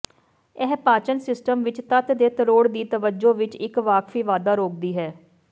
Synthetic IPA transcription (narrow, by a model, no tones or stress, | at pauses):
ɛɦpaːt͡ʃənsɪsʈəmʋɪt͡ʃt̪ət̪d̪eːt̪əɾoːɽd̪iːt̪əʋəd͡ʒoːʋɪt͡ʃɪkʋaːkfʰiːʋaːd̪aːɾoːk̚d̪iːɦɛː